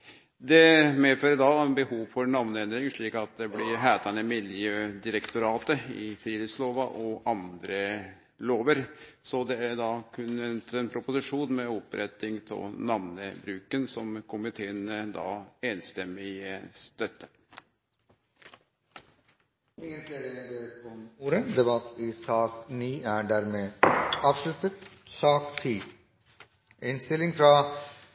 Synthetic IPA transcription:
d̪ɛmeːføːɾəd̪ɑbəhuːʋfɔɾnɑʋnəɛnd̪ɾɪŋʂɭiːkɑt̪̚d̪ɛblɪɾɦæːt̪ʰɑnəmɪljøːd̪ɪɾəkt̪ʊɾɑːt̪əɪ̰fɾiːlɪsloːʋɑʔɔɑnd̪ɾə | loːʋəɾ | sɔd̪ɛæɖɑkʰʉnɛnt̪ɛnpʰɾʊpʊsɪʂuːnmɛɔpɾʔɛt̪ːɪŋt̪ʰɪ̰nɑʋnəbɾʉːkənsɔmkʰʊmɪt̪ʰeːənəd̪ɑ̰ːeːnst̪ɛmːɪəst̪œt̪ːə̥ | ɪŋənt̪leɾələɡeːɔmuːɾəd̪ɛbɑt̪ːɪsɑːkniːæːɖæːɾmeːɑːʋʂlʉt̪ət̪sɑːkt̪ʰiː | ɪnst̪ɪlɪŋfɾɑ

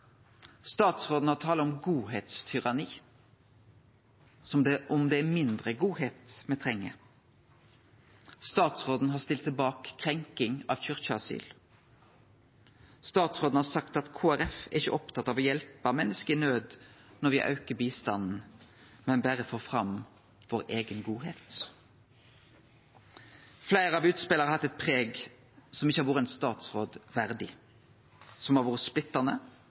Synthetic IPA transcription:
st̪ɑːt̪sʁoːd̪n̩hɑt̪ʰɑːləɔmɡuːheːt̪st̪ʰʏʁɑniː | ɔmd̪ɛʔɔmd̪ɛæmɪnd̪ʁəɡuːheːt̪mɛt̪ʰʁɛŋːə̰ | st̪ɑːt̪sʁoːd̪n̩hɦɑst̪ɪlt̪sɛɪbɑːkʰːʁɛŋkɪŋɑʋçʏʁçəɑsy̰ːl | st̪ɑːt̪sʁoːd̪n̩hɑsɑkt̪ɑt̪kʰoːæɾɛfɛʁɪçə̰ʔɔpt̪ʰɑt̪ːɑʋoːjɛlpɑʋmɛnːəskəɪnøːd̪nɔʁʋɪʔɑ̰ʉkəbiːst̪ɑnn̩mɛnbæʁəfoːfʁɑm | ʋoːʁeːɡənɡuːɦeːt̪ | flæɪɾəɑʋʉːt̪spɛləʁəhɑt̪ːɛt̪̚pʰʁeːɡ | sɔmɪçəhɑɾʋʊːʁəɛnst̪ɑːt̪sʁoːd̪ʋæʁd̪ɪ | sɔmɑʋuːʁəsplɪt̪ːənə

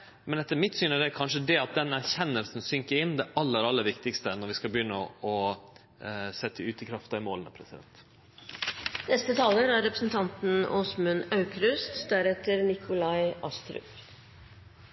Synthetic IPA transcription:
mɛnɛt̪ːəɾmɪt̪syːnæd̪ɛkʰɑnʂəd̪ɛɑt̪̚d̪ɛnæɾçɛnːəlsn̩sʏŋkəɾɪnːd̪ɛʔɑlːəɾɑlːəɾʋɪkt̪ɪkst̪ənɔɾʋɪskɑbəjʏnːəɔɔ | sɛt̪ːəʉːt̪ɪkʰɾɑft̪ɑɪmoːlənəpʰɾɛsɪd̪ɛ̰nt̪ | nɛst̪ət̪ʰɑːləɾæɾɛpɾəsnt̪ʰɑnt̪n̩ɔːsmʉnɑʉkɾʉst̪d̪æɾɛt̪əɾnɪkʰʊlɑɪʔɑ̰st̪ɾʉ̰p

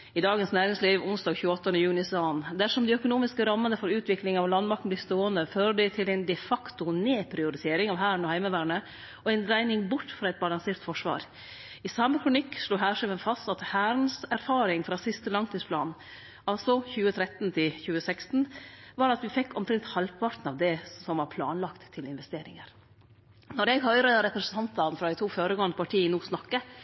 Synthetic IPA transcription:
ɪd̪ɑːɡənsnæːɾɪŋsliːʋʊnsd̪ɑːɡçʉːəɔt̪ːənəjʉːnɪsɑːənd̪æʂɔmd̪ɛœkʊnuːmɪskəɾɑmːənəfɔɾʉːt̪ʰʋɪklɪŋɑʋlɑnmɑk̪̚n̩b̪lɪst̪oːənəføːɾəɖɛt̪ʰɪlæɪnd̪ɛfɑkt̪ʊneːpʰɾɪʊɾɪt̪ʰeːɾɪŋɑʋɦhæːɾəɳ̩ɔhæɪməʋæːɾɳə | ɔɛɪnɾæɪnɪŋbʊʈːfɾɑːɛt̪̚bɑlɑŋseːɾt̪fɔʂʋɑ̰ːɾ | ɪsɑməkʰɾʊnɪkːʂɭuːɦæːʂɛʋənfɑst̪ɑt̪hæːɾənsæɾfɑːɾɪŋfɾɑːsɪst̪əlɑŋt̪ʰiːspʰlɑːn | ɑlsɔçʉːət̪ʰɾɛt̪n̩t̪ʰɪlçʉːəsɛkst̪n̩ʋɑːɾɑt̪ʋɪfɛkːɔmkʰɾɛŋt̪hɑlpʰɑɾt̪n̩ɑʋd̪ɛsɔmʋɑɾpʰlɑ̰ːnlɑkt̪ʰːɪlɪnʋɛst̪eːɾɪ̰ŋəɾ | nɔɾɛɡhœʏɾəəɾɛpɾɛsnʰɑnt̪ɑnfɾɑd̪æɪt̪ʰuːføːɾəɡoːənd̪əpɑʈʰiːnuːsnɑkːə

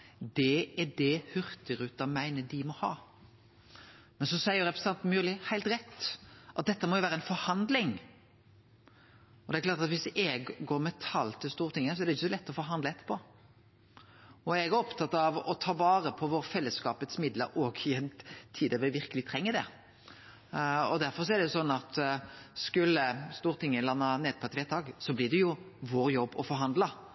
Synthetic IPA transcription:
d̪ɛæɖɛhʉɾt̪ɪɾʉt̪ɑmæɪnəd̪ɪmɔhɑ̰ː | mɛnsɔsæɪəɾɛpɾɛsnɑnt̪myːɾlɪhæɪlt̪ɾɛt̪ːʔɑt̪̚d̪ɛt̪ːəmɔjʊʋæːɾəɛnfɔɾhɑnd̪lɪŋ | ɔd̪ɛklɑːɾt̪ɑt̪ʋɪsɛɡɡoːɾmɛt̪ʰɑlt̪ʰɪlst̪uːʁt̪ʰɪŋːəs̬ɔɛæɾɖ̪ɛɪçːəsɔlɛt̪ːɔfɔɾɦɑnd̪ləɛt̪ːə̥pʰɔ | ɔɛɡæɔpt̪ʰɑt̪ːɑʋɔt̪ʰɑːʋɑːɾəpʰɔʋoːɾəfɛlːəskɑːpət̪smɪd̪lə̰ɾɔːɡɪɛnt̪ʰiːd̪əʋɪʋɪɾkəlɪt̪ʰɾɛŋːəd̪ɛ̰ | ɔd̪æɾfɔɾsɔæɾd̪ɛjʊsɔnːɑt̪skʉlːəst̪uːɾt̪ʰɪŋːəlɑnːɑneːd̪̚pʰɔɛt̪ʋɛːt̪ɑːɡsɔblɪd̪ɛjʊ | ʋoːɾjɔbːɔfɔɾɦɑnd̪lɑ

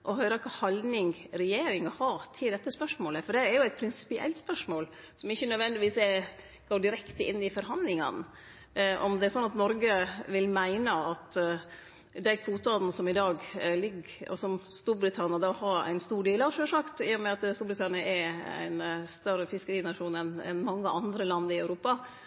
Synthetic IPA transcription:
ʔɔɦœɪɾɑkʰɑːhɑld̪nɪŋɡɾɛjeːɾɪŋɑhɑt̪ʰɪld̪ɛt̪ːəspœʂmoːləfɔɖɛːɾjʊæɪt̪̚pʰɾɪnsɪ̥pɪʔɛ̰lt̪spœʂmoːl | sɔmɪçːənœd̪ʋɛnd̪ɪʋiːsɛ | ɡ̥oːɖɪɾɛkt̪əɪnːɪfɔɾɦɑnd̪lɪŋɑ̰n | ʔɔmd̪ɛæɾsɔnːɑt̪nɔɾɡəʋɪlmæɪnəɑt̪ | d̪æɪkfuːt̪̚bɑln̩sɔmɪd̪ɑːɡlɪɡɔ̰sɔmst̪uːɾbɾɪt̪ʰɑnɪɑd̪ɑːhɑɾæ̰ɪnst̪uːɖeːlɑʋʂøːʂɑkt̪ɪjʊmɛɑt̪st̪uːbɾɪt̪ʰɑnɪɑʔɛæ̰ɪnst̪œɾəfɪskəɾiːnɑʂuːnɛnɛ̰nmɑŋːəʔɑnd̪ɾəlɑnd̪ɪœʉɾuːpɑ

